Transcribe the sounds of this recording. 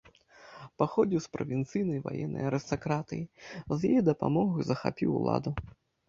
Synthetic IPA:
paxɔd͡zʲiwspɾɐvʲint̪sɨjnɐjva̰jɛ̰nːɐ̰jɐɾɨst̪akɾat̪ɨ̰jizjajɛd̪ɐpa̰mɔɣɐjzɐxapʲiwlˠa̰d̪u

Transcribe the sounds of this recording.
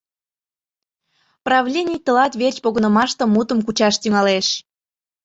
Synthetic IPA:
prɑvlʲenʲijt̪ə̆lɑt̪βerʲt͡ɕpoɣə̆nə̆mɑʃt̪ə̆mut̪əmkut͡ɕɑʃt̪yŋɑleʃ

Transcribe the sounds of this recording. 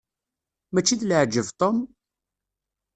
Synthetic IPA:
mæt͡ʃːid̪ləʕd͡ʒːəvt̪ˤom

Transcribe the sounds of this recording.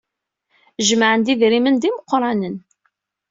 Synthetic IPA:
ʒmaʕənd̪iðɾimənd̪iməqːɾˤɑnən

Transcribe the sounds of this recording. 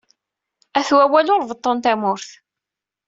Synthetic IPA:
æθwæwælʊɾˤvət̪ˤːənt̪æmʊɾθ

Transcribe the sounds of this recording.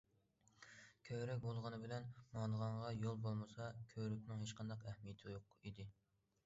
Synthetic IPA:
kʲʰøɾɛk̬̚ʲbolˠʁɑnɨbɪlɛnmɑlˠəʁɑɴʁɑjolˠbolˠmɨsɑkʲʰøɾykʲnɪŋɦet͡ʃqʰɑnd̪ɑqɛhmijɪt̪ʰɪjoqid̪ɪ

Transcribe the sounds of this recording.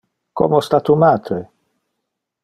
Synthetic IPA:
ko̰most̪at̪umaːt̪ɾe

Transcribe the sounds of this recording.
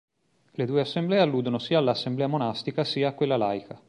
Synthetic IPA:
led̪uːeasːemblɛːealːuːd̪onosiːaːlːaːsːemblɛːamonast̪ikasiːaːkːwelːalajkʰa

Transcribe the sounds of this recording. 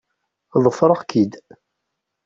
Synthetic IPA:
ðˤəfɾˤəʁkid̪

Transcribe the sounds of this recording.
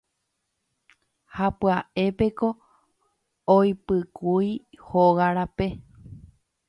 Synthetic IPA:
hapɨaʔe̞pe̞ko̞ | ojpɨkujhoɣaɾape̞

